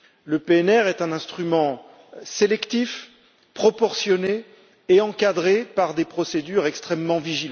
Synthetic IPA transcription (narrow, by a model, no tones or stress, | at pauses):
ləpeɛnɛʁɛt̪ɛ̃nɛ̃st̪χymɑ̃ | selɛkt̪if | pχɔpɔʁsjɔneː | ɑ̃kad̪ʁepaʁd̪epχɔsed̪yʁɛkst̪χɛmːɑ̃viʒil̃